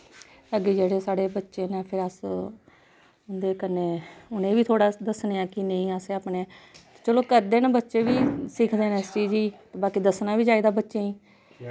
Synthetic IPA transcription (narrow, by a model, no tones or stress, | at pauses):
əɡed͡ʒeːɽeːsaːɽeːbətːʃeːnẽːpʰɪɾəs | ʊnd̪eːkənːeːʊnẽːʋiːt̪ʰoːɽaːd̪əsneːãːkɪneĩːəseːaːpneːt̪ːt͡ʃəloːkəɾd̪eːnaːbətːʃeːʋiːsɪkʰd̪eːnɛ̃ːsʈiːd͡ʒiːt̪ːbaːkiːd̪əsnaːʋiːd͡ʒaːiːd̪aːbətːʃeːĩː